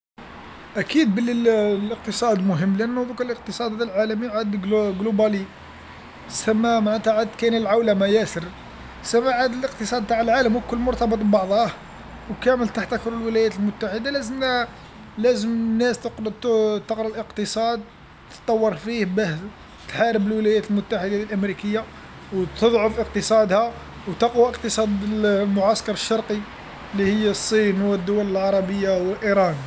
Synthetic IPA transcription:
ʔækid̪̚bəlilləq̚t̪əsˤɑd̪mʊɦəmːlʔænːud̪ˤuqələq̚t̪əsˤɑd̪æd̪ælʕalæmiʕad̪ɡɡlobæli | sæmːæmaʕnæt̪aʕad̪kænəlʕawlæmæjæsəɾ | sæmːaʕad̪ələqt̪əsˤɑd̪̚t̪aʕəlʕaləmwkʊlːmʊɾˤt̪ɑbət̪ˤbbɑʕðˤɑh | wkæməlt̪aħt̪ʔækʊɾəlwəlæjæt̪əlmʊt̪ːaħəd̪alæzəmæ | læzəmnːæst̪qɾt̪t̪əqɾˤɑlʔəqt̪əsˤɑd̪̚ | t̪ə̥t̪ˤːɑwːɑɾˤfihbəh | t̪ħaɾəbəlwəlæjæt̪əlmʊt̪ːaħəd̪alʔəmɾikəjːa | wt̪ʰəd̪ˤʕʊfʔəq̚t̪əsˤɑd̪hæ | wt̪ɑqwaʔəqt̪əsˤɑd̪əlmʊʕaskɑɾˤəʃːɑɾˤqi | lːihəjːæsˤːinwəd̪ːʊwæləlʕɑɾˤɑbəjːawəlʔiɾˤɑn

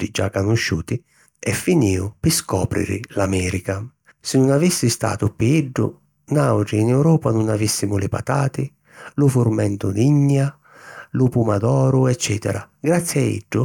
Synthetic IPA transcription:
id͡ʒakːanuʃːuːt̪i | ɛfːiniːʊpɪskɔ̰ːpɾḭɾɪ̰lamɛːɾika | sɪnunavisːist̪a̰ːt̪ʊpiiɖːʊ̰ | nawʈɾinɛwɾɔːpanunavisːimʊlɪpa̰t̪aːt̪ɪ | lʊfuɾmɛnt̪ʊd̪iɲːja | lʊpumad̪ɔːɾʊɛt͡ʃːɛːt̪ɛ̰ɾa | ɡɾat̪sːiaḭɖːʊ

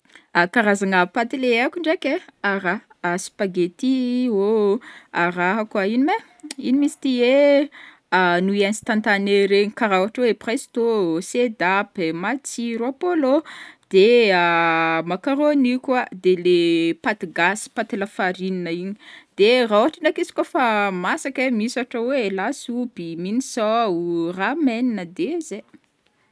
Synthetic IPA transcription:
akaɾazaŋavpat̪ileakʲuɳɖ͡ʐekʲeaɾa | asi̥paɡet̪io | araɦakwainime | inimisi̥t̪ie | nuianist̪ant̪aneɾeɲikaɾawaʈ͡ʂweprest̪osed̪apemat͡siɾoapolod̪̥eamakaɾonikʲwad̪elepat̪iɡasi̥pat̪elafaɾininəiɲid̪̥erawaʈ͡ʂanakisi̥kʲofamasakemisaʈ͡ʂəwelasubiminisɔurameninəd̪eze

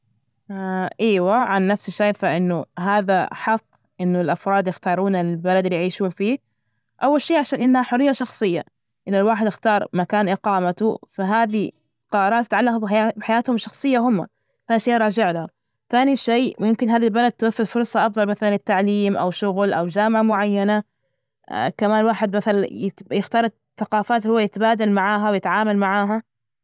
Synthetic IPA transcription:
ʔiːwaʕanːafsɪʃːaːfaʔɪnːʊɦaːða̰ħɑqː | ʔɪnːʊlʔɑfɾˤɑːd̪jɪxt̪ɑːɾˤuːnabalad̪ɪlijʕiːʃuːnfiː | ʔawːalʃiːʕaʃaːnʔɪnːhaħʊrːijːaʃɑxsˤɨjːa̰ | ʔɪnːɪlwaːħɪd̪ɪxt̪ɑːɾˤmakaːnʔɪqɑːmat̪ʊfaɦaːði | qɑɾˤɑːt̪ːɪt̪ʕalːɑqbɪbɪħajaːt̪hʊmʃɑxsˤɨjːahʊmːa̰ | θaːnʃeːʔɾˤɑːd͡ʒɪʕlaha | θaːniʃeːwjɪmkɪnɦaːðilbalad̪̚t̪waθːɪðfʊɾˤsˤɑʔɑbðˤɑlmaθalanɪt̪ːaʕliːmʔa̰wʃʊɣlʔa̰wd͡ʒaːmʕamʊʕajːana̰ | kamaːnwaːħɪd̪maθalanɪjɪxt̪ɑːɾˤ | θaqɑːfaːt̪hʊwːajɪt̪baːd̪almaʕaːɦawjɪt̪ʕaːmalmaʕaːɦa

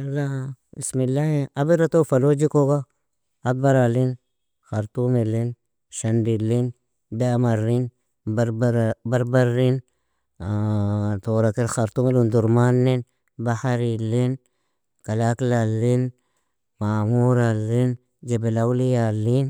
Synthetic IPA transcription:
alabismilːahiabiɾat̪ofalod͡ʒikoɡaː | baɾalin | xaɾt̪umilin | ʃandilːin | damaɾin | baɾbaɾːin | toɾakiɾxaɾtumelunduɾmanːin | bahaɾilin | kalaklalːin | mamuɾalːin | d͡ʒebelawlijalːin

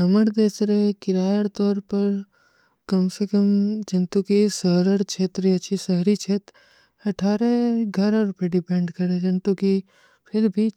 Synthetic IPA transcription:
ɐməɾd̪eːsɾekɪɾaːɽt̪ɔːɾpɐɾ | kɐmsekəmd͡ʒɐnt̪ukisəɦɾəɽt͡ʃʰeːt̪ɾiɐt͡ʃʰisəɦɾit͡ʃʰeːt̪ɾ | ɐʈʰaːɾeɡʱɐɾaɾʊpeɖɪpẽːɳɖkɐɾed͡ʒɐnt̪uki | pʰɪɾbʱiː

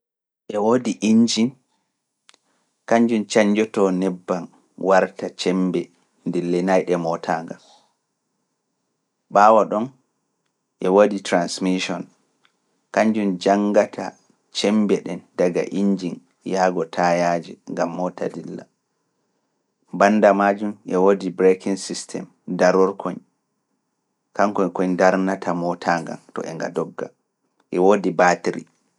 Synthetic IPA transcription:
ʔɛwodiʔiɲd͡ʒin | kaɲd͡ʒunt͡ʃaɲd͡ʒɔtɔnɛbːan | waɾtat͡ʃɛmbɛ | ndɛlːɛnajɗɛmɔtʰaːŋɡal | ɓaːwaɗɔn | ʔɛwoditɾansmiʃɔn | kaɲd͡ʒund͡ʒaŋɡatʰa̰ | t͡ʃɛmbɛɗɛndaɡa̰ʔiɲd͡ʒin | jaɡɔtʰajad͡ʒḭŋɡamːɔtʰa̰dilːa̰ | banːdamad͡ʒumʔɛwodibɾekiŋsistʰɛ̰m | daɾɔɾkʰoɲ | kaŋkɔɲkɔɲdaɾnatʰamɔtʰaːŋɡa̰ntɔ̰ʔɛŋɡa̰dɔɡːa̰ | ʔɛwodibatiɾḭ

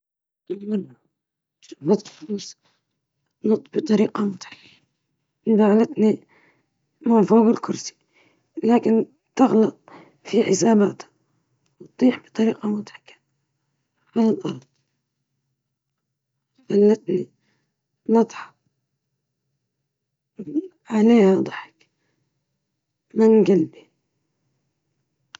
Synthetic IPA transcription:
ʔalmɪnːa | ʃaɑt̪ˤluːs | nɑt̪ˤːbɨt̪ˤɑɾiːqɑmʊt̪ħḁkːa | nbaʕlat̪ni | manfaːɣɪlkʊɾsi̥ | laːkɪn | t̪ɪɣlɑt̪̚ˤ | fiħɪsaːbaːt̪ | wt̪̚ˤːiːħbɨ̥t̪ˤɑɾiːqamʊt̪ḁħḁkːḁ | alalʔɑɾˤd̪̚ˤ | xalːat̪ni | nɑd̪ˤħɑ̥ | ʕaleːhad̪ˤɑħɪ̥k | mɪnɡalbi

